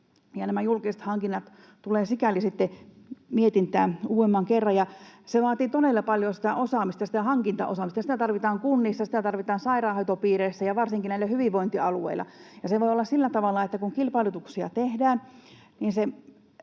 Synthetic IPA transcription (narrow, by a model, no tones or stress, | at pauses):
jɑnæmæjulkise̥t̪hɑŋkinːɑt̪ | t̪uleːsikælisit̪ːe | miet̪int̪æːnuːemːɑŋkerːɑjɑseʋɑːt̪iːt̪onelːɑpɑljosi̥t̪æʔosɑmist̪ɑsi̥t̪æhɑŋkint̪ɑ̰ʔo̰sɑmist̪ɑsit̪æt̪ɑrʋit̪ɑːŋkunːisːɑsi̥t̪æt̪ɑrʋit̪ɑːnsɑirɑːhɑt̪opiːreisːæjɑʋɑrsiŋkinæilːˑæhyʋiʋʋoint̪iɑluḛilːˑɑ̰jɑseʋoiolːɑssilːæt̪ɑʋɑlːˑɑet̪ːækuŋkilpɑilut̪uksiɑ̰t̪ehdæːn | niːnse